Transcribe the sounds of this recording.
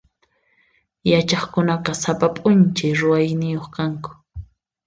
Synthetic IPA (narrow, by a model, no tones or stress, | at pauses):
jat͡ʃɑχkʊnaqɑsapapʼʊnt͡ʃajɾʊwajnɪjoχkaŋkʊ̥